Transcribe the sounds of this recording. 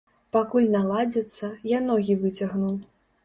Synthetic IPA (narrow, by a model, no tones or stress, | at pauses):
pakulʲnalˠad͡zʲɛt̪sːɐjanɔɣʲivɨt͡sʲaɣnuw